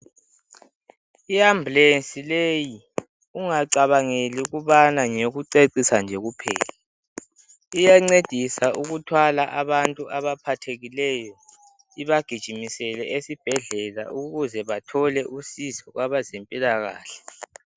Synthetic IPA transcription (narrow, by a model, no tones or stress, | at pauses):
iamblensʼileji | uŋaǀaβaŋeliuɣuβanaŋeɣuǀeǀisand͡ʒʱɛɣupʰɛ̰ːla | ijaŋ͡ǀed̥ʱisauɣutʰwalaʔaβantʼuʔaβapʰatʰeɣilɛjɔ | iβaɡ̥ʱid̥ʒ̥ʱimisɛlɛʔesib̥ʱɛɮɛla̰ʔuɣuzɛβatʰɔlɛʔusizɔɣwaβazempʼilaɣa̰ːɬɛ̥